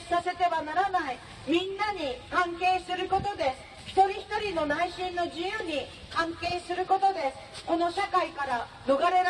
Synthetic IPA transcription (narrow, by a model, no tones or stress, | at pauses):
sase̞t̪e̞βanaɾanai | mʲĩnːaɲ̟ikãŋke̞ːsɨɾɯ̟ko̞t̪o̞d̪e̞ | çi̥t̪o̞ɾʲiçi̥t̪o̞ɾʲino̞naiɕĩnːo̞d͡ʑijɯ̟ːɲ̟i | kãŋke̞ːsɨɾɯ̟ko̞t̪o̞d̪e̞ | ko̞no̞ɕakaikaɾa | no̞ɡaɾeɾ